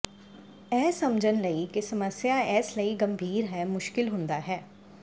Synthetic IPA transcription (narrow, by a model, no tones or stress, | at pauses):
ɛːsəmd͡ʒənləikesəməsjaɛːsləiɡəmbʱiːɾɦɛːmʊʃkɪlɦʊ̃nd̪aːɦɛː